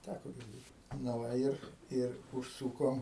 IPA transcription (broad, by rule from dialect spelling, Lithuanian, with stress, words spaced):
ˈtʲækoː ɡʲɪrʲˈdʲeːt nɐ ˈʋɐ ˈɪr ˈɪr ʊʃˈsuːkoːm